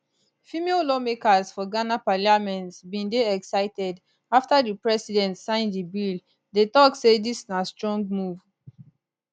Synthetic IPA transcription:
fimelɔmekazfɔɡanapalamɛ̃ntsbĩndeɛksaɪtɛd | aftadipɹɛsidɛ̃ntsãɪ̃ndibil | detɔksedisnastɹɔ̃ŋɡ̚muv

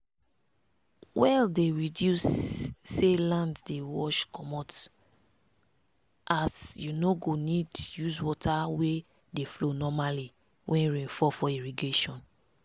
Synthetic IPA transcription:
wɛldeɹidjusː | elãnddewɔʃkɔmɔt | ʔasjunoɡonidjuzwɔtʰawe | deflonɔmali | wʔɛ̃nɹĩfɔfɔiɹiɡeʃɔ̃n

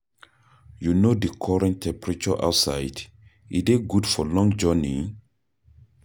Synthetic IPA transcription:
junodikʰɔɹɛ̃ntʰɛ̃mpɹit͡ʃɔʔa̰wtsaɪd | ḭdeɡudfɔlɔ̃ŋd͡ʒɔni

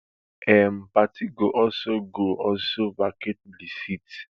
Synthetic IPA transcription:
ɛm̩patʰiɡoʔɔlsoɡoʔɔlsobaket̚lisit

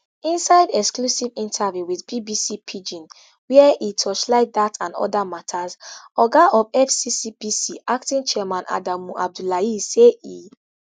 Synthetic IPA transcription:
ĩnsaɪdɛksklusivĩntʰavjuwiθbibisipʰid͡ʒĩn | wɛɛʔitʰɔt͡ʃlaɪk̚datãndɔ̰damatʰazɔɡaʔɔvɛfsisipisiʔaktĩnt͡ʃɛɛmãnʔa̰damuʔa̰b̚dulaisei

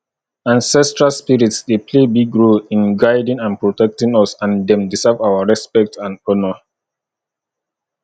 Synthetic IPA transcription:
ãnsɛstɹalspiɹitsdepʰlebiɡɹolĩnɡaɪdĩŋãnpɹotɛk̚tĩŋɔsãndɛ̃mdisɛvawaɹɛspɛk̚tʰãndɔnɔ

